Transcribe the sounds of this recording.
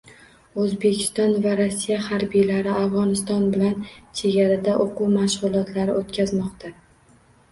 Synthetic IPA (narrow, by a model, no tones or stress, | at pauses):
ɵzbe̞kʲʰɪ̥st̪ɒnvaɾasːijahaɾbijlaɾɪafʁɒnɪst̪ɒnbɪlant͡ʃʰe̞ɡʲaɾad̪aʔoquwmaʃʁʊlˠɒt̪ʰlaɾɪot̪kʲʰazmɒqt̪ʰa